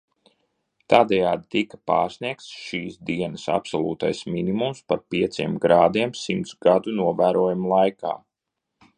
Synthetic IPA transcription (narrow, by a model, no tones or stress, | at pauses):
t̪aːd̪ɛjaːd̪it̪ikɐ̥pa̰ːɾsniɛk̚t̪sʃiːsd̪iɛnɐsa̰psɔlˠuːt̪a̰jsminimumspaɾpiɛt̪sʲiɛmɡɾaːd̪iɛmsimt̪sɡad̪unuɔvæːɾuɔjumulˠajka̰ː